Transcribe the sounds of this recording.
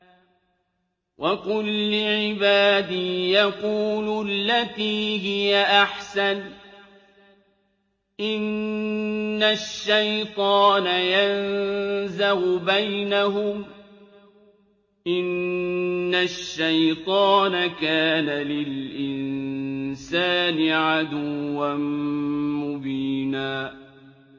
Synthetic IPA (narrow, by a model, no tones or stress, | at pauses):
wʔɑqʊlːɪʕɪbaːd̪iːjaquːlʊlːat̪iːɦɪjaʔaħsan | ʔɪnː | aʃːajt̪ˤɑːnajannzaɣʊbajnaɦʊm | ʔɪnː | aʃːajt̪ˤɑːnakaːnalɪlʔɪnn | saːnɪʕad̪ʊwːanmʊbiːnaː